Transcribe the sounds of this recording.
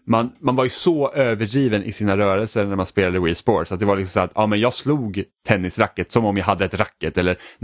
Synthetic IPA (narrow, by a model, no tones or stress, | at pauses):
manmanvaɾjɵsɔʔøːvəɖɾiːvənʔɪ̰siːnaɾœːɾɛlsəɾnæɾmanspeːlad̪əwɪsboːsat̪̚d̪ɛvaɾlɪksɔmsæːɾat̪ɑːmɛnjɑːɡsluːɡt̪ʰɛnːɪsɾakːət̪sɔmɔmjɑɦad̪ːəɛt̪ɾakːət̪ɛlːəɾ